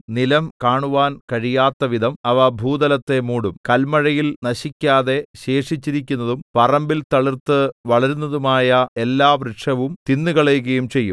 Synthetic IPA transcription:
nilɐmkaːɳuʋaːnkɐɻijaːt̪ːɐʋid̪ʱɐmɐʋɐbʱuːd̪ɐlɐt̪ːe̞muːɽumkɐlmɐɻɐjilnɐɕikʲːaːðe̞ɕe̞ːʂit͡ɕːiɾik̬ʲːunːɐðumpɐrɐmbilt̪ɐɭirt̪ɨʋɐɭɐɾunːɐðumaːjɐe̞lːaːʋriʂɐʋumt̪inːuɣɐɭejɣɐjumt͡ɕe̞jːum

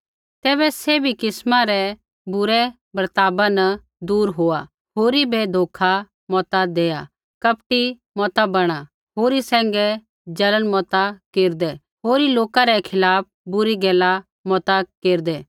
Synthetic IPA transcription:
t̪ɛːbɛsebʱikɪsmãɾɛ | bʊɾɛ | bɾt̪aːbanə | d̪uːɾɦoːa | ɦoːɾibʱed̪ʱoːkʰa | mɔːt̪ad̪eːja | kɐpʈi | mɔːt̪abɐɽ̃a | ɦoːɾisɛ̃ːŋɡɛ | d͡ʒɐlənmɔːt̪akeːɾd̪ɛ | ɦoːɾiloːkaɾɛkʰɪlaːp̚ʰbʊɾiɡɛːla | mɔːt̪akeːɾd̪ɛː

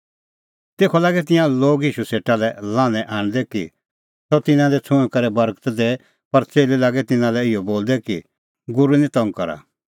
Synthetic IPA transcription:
t̪eːkʰɔlaːɡɛt̪ɪ̃jãloːɡiːʃuseːʈalɛlãːnɛ̃ʔaːɽ̃d̪ɛkḭ | sɔt̪ɪnãlɛt͡sʰʊɽ̃kɐɾɛbɐɾkt̪d̪eː | pɐɾt͡seːlilaːɡɛt̪ɪnãlɛɪjɔboːld̪ɛki | ɡʊɾunĩt̪ɐ̃ŋɡkɐɾa̰

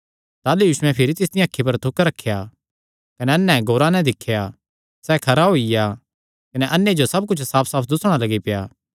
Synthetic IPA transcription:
t̪aːlujuːʃʊɛ̃pʰɪɾit̪ɪsd̪ɪjãːkʰːip̬ɐɾt̪ʰʊkɾɐkʰːeja | kɐneɐnːɛ̃ɡoːɾanɛ̃d̪ɪkʰːja | sɛkʰɐɾaɦoːija | kɐneʔɐnːjed͡ʒosɐb̚kʊt͡ʃʰsaːpʰsaːpʰd̪ʊsɽ̃alɐɡipja̰ː

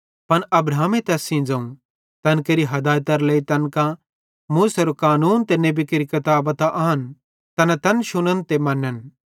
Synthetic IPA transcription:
pɐnɐbɾaːmẽt̪ɛːsĩd͡zɐũ | t̪ɐnkeːɾiɦɐd̪aːjt̪ɐɾlɐit̪ɐnkã | muːsɐɾokaːnuːnt̪enebikeːɾikɐt̪aːbɐt̪aʔaːɦɐn | t̪ɐnãt̪ɐnʃʊnənt̪emɐnːən

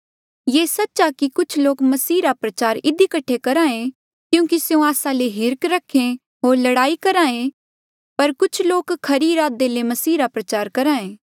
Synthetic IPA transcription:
jeːsɐtːʃakikʊt͡ʃʰloːkmɐsiːɾapɾɐt͡ʃaːɾɪd̪ikɐʈʰːekɐɾãːẽ | kjũːkiseũaːsãleɦɪɾkɾɐkʰẽ | ɦoːɾlɐɽaːikɐɾãːẽ | pɐɾkʊt͡ʃʰloːkkʰːɐɾiɾaːd̪elemɐsiːɾapɾɐt͡ʃaːɾkɐɾãːẽː

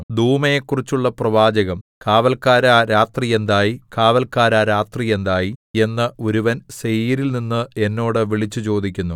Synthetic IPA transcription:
d̪ʱuːmɐjekːurit͡ɕːuɭːɐprɐʋaːd͡ʑɐɣɐmkaːʋɐlkaːɾaːɾaːt̪rije̞nd̪aːjikaːʋɐlkaːɾaːɾaːt̪rije̞nd̪aːjie̞nːɐoɾuʋɐnsejiɾilninːɨe̞nːo̞ːɽɨʋiɭit͡ɕːut͡ɕo̞ːd̪ikʲːunːu

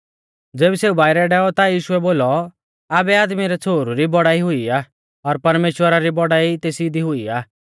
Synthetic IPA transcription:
d͡zeːbiseːubaːɪɾɛɖɛːɔt̪ajiːʃʊɛboːlɔ | aːbɛaːd̪miɾɛt͡sʰoːɾuɾibɔɽaːiɦʊiaː | ɔɾpɐɾmeːʃwəɾaɾibɔɽaːit̪eːsid̪iɦʊiaː

